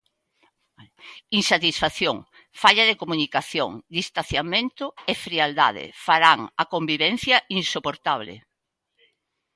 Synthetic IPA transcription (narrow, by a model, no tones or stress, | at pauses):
insat̪isfaθjoŋ | faʎaðekomũnikaθjo̰ŋd̪ist̪aθjamẽnt̪ʊefɾiald̪a̰ð̞ɪ̰faɾaŋakombiβɛn̟θjaʔinsopoɾt̪aβ̞lɪ̰